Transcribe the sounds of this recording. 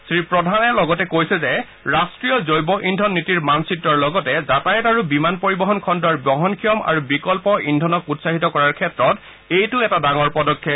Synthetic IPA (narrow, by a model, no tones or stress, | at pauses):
sɹipɹɔdʱanɛlɔɡɔtɛkojsɛzɛ | ɹastɹijɔzojbɔʔindʱɔnːitiɹmansitːɔɹlɔɡɔtɛzatajɛtaɹubimanpoɹibɔɦɔnkʰɔndɔɹbɔɦɔnkʰijɔma̰ɹubikɔlpɔʔindʱɔnɔkutsaɦitɔkɔɹaɹkʰɛtɹɔt | ejtʊɛtadaŋɔɹpɔdɔkʰːɛ